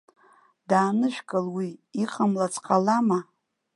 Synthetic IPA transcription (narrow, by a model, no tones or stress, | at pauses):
daːnɨʃᶣkʼɨlwiːqʼamlat͡sʰʼqʼalama